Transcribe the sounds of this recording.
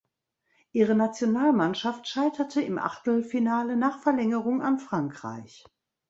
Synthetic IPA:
ʔiːʁənat͡sjonaːlmanʃaftʃaɪtɐtʰəɪmʔa̰χtl̩finaːlənaːχfɛɐlɛŋəʁʊŋa̰nfʁ̥aŋkʁ̥a̰ɪç

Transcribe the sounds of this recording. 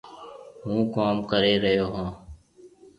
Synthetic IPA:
ɦũːkaːmkəɾeːɾəɦjoːɦãː

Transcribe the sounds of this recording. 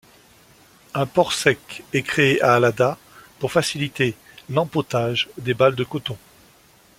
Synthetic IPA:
ɛ̃pɔʁsɛkɛkχeeʔaːlad̪a | puʁfasilit̪e | lɑ̃pot̪aʒd̪ebald̪əkɔt̪ɔ̃

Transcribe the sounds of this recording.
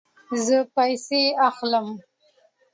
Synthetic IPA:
zəpajseaxləm

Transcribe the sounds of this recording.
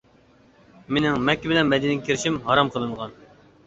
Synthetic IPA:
menɪŋmɛkʲːibɪlɛnmɛd̪inɪkʲʰiɾɪʃimhɑɾɑmqʰəlˠɨɴʁɑn

